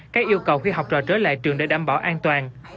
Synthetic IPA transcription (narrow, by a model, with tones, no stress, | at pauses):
kaː˦˥k̚ʔi˧əwkə˨˩wxi˧ɦa˨˩wk͡p̚t͡ɕɔ̰˨˩t͡ɕəː˨˦la̰ː˧˨jt͡ɕɨ˨˩əŋɗḛ˧˦ɗaː˧˩mɓaː˧˩wʔaː˧nt̪waː˨˩n